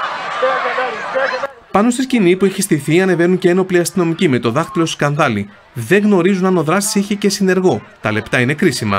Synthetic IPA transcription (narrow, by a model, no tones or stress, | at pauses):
pɐno̞st̪iscinipueçist̪iθiɐne̞ve̞nunceeno̞pliɐst̪ino̞micime̞t̪o̞ðɐxt̪ilo̞skɐnðɐli | ðe̞ŋɣno̞ɾizunɐno̞ðɾɐst̪i̥siçe̞ce̞sine̞ɾɣo̞t̪ɐle̞pt̪ɐine̞kɾisimɐ̰